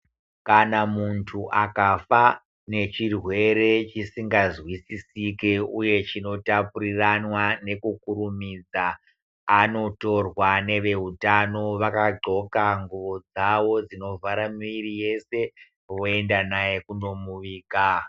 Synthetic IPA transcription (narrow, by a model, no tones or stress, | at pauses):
kanamuntʰuʔakafa | ne̞t͡ʃirwe̞ɾe̞t͡ʃisiŋɡazwisisike̞uje̞t͡ʃino̞tapuriranwane̞kukuɾumid͡zaː | no̞to̞rwane̞ʋe̞ɦutano̞ʋakaɡ͡ǃʱo̞kaŋɡuʋo̞d͡zaʋo̞d͡zino̞vaɾamiɾije̞se̞ | ʋo̞e̞ndanaje̞kuno̞muʋiːka